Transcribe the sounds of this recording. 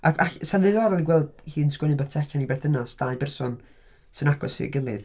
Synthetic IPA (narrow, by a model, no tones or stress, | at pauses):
ʔakaɬsanðɨðɔɾɔlˠiɡwɛlˠd̥hiːnskwɪnɨbə̥tʰɛɬanibɛθənasd̥aɨbɛrsɔn | sɨnaɡɔshɨ̰ɡəlˠɨð